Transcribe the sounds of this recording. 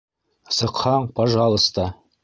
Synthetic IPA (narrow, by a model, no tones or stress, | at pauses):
səqʰːɑɴpʰɑʒɑlˠəst̪ə